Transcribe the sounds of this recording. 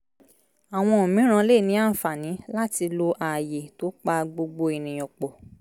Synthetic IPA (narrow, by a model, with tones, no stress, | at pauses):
a˨w̃ɔ̃˧o˨mĩ˨˦ɾ̃ã˧le˦˨nĩ˨˦a˦˨n̩˨fa˨nĩ˨˦la˦ti˧lo˧ʔa˨je˨to˨˦k͡pa˧ɡ͡bo˧ɡ͡bo˧i˨nĩ˨j̃ɔ̃˨k͡pɔ˨